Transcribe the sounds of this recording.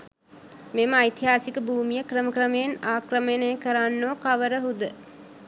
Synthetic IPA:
meməajt̪iɦaːsikəbʱuːmijəkrəməkrəməjenaːkrəməjnəjəkəɾanːoːkaʋəɾəɦud̪ə

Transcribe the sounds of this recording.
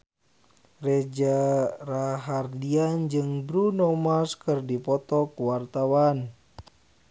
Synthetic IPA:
rɛd͡ʒaraɦardiand͡ʒɨŋbɾunɔmaskɨrdipɔt̪ɔkuwart̪awan

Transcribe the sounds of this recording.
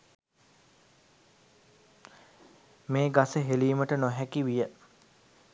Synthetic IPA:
meːɡasəɦeliːməʈənoɦækiʋijə

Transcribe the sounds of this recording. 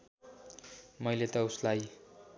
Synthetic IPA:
mʌjlet̪ʌuslaj

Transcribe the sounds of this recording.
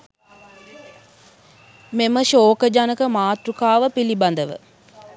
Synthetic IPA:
meməʃoːkəd͡ʒanəkəmaːt̪ɾukaːʋəpiliband̪əʋə̰

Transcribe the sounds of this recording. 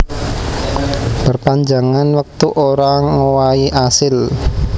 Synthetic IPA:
pərpaɲd͡ʒaŋanwək̚t̪uʔoɾaŋowaiʔasɪl

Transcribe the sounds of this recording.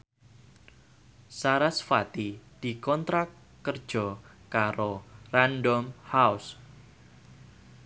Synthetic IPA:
saɾasfat̪id̥ikɔnt̪ɾa | ərd̥ʒ̥ɔ | kaɾorandɔmhaus

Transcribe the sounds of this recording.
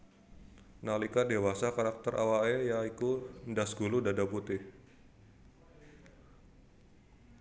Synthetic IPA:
nalikadewasakaɾak̚t̪əɾʔa̰waɛjaikundasɡuludadaput̪ɪh

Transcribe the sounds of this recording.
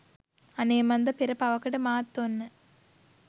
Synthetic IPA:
ɐneːmɐnd̪ɐpɪɾɐpɐʋɐkːɐʈɯmaːt̪ːonːɯ

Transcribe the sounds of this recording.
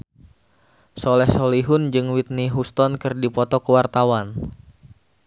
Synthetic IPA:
solɛhsoliɦʊnd͡ʒɨŋwit̪̚niɦust̪ɔnkɨrdipɔt̪ɔkəwart̪awan

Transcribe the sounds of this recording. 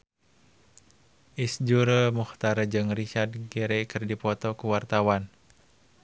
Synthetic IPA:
ʔisd͡ʒuɾəmuxt̪aɾad͡ʒɨŋrit͡ʃard̪̚ɡɛɾɛkɨrdipɔt̪ɔkuwart̪awan

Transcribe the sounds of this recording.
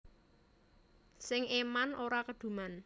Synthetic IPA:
sɪŋemanoɾakəd̪̥ṳman

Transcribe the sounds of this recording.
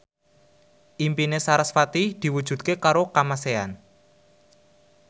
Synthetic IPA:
ʔimpinesaɾasfat̪id̪̥i̤wud̥ʒ̥ṳt̪̚kekaɾokamasea̰n

